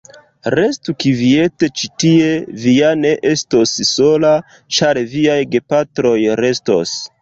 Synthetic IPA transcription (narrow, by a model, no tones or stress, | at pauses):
ɾe̞stukivie̞te̞t͡ʃitieviane̞ʔe̞sto̞sso̞la | t͡ʃaɾviajɡe̞patɾo̞jɾe̞sto̞̰s